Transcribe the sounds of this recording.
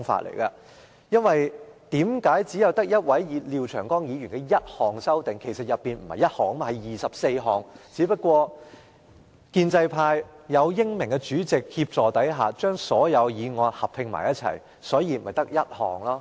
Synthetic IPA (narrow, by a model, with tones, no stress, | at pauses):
ŋfa̰˧˩t̚lḛ˨˩jkaː˧ | jɐ˥nwɐ˨jt̪iː˨˥mkaː˨˥jt͡siː˨˥jɐ˨˧wt̪ɐ˥k̚jɐ˥t̚wɐ˨˥jjiː˨˧liː˨˧wt͡ʃʰœː˨˩ŋkɔː˥ŋjiː˨˧jyː˨˩nkɛ˧jɐ˥t̚hɔː˨˩ŋsɐ˥wt̪ɪ˨ŋkʰe˨˩jsɐ˨t̚jɐ˨˩pːiː˨nm̩˨˩hɐ˨jɐ˥t̚hɔː˨˩ŋ˥m˥hɐ˨jjiː˨sɐ˨p̚se˧jɦɔː˨ŋt͡siː˨˥pɐ˥t̚kʷɔː˧ | kiː˧nt͡sɐ˧jpʰaː˧jjɐ˨˧wjɪ˥ŋmɪ˨˩ŋkɛ˧t͡ʃyː˨˥t͡sɪ˨k̚hiː˧p̚t͡sɔː˨t̪ɐ˨˥jɦaː˨t͡ʃœː˥ŋsɔː˨˥jɐ˨˧wjiː˨˧ŋɔː˨˧t̚hɐ˨p̚hɪ˧ŋma̰ː˨˩jɐ˥t̚t͡sʰɐ̰˨˩j | sɔː˨˥jiː˧m̩˨ɐ˨jt̪ɐ˥k̚jɐ˥t̚hɔ̰ː˨ŋlɔː˥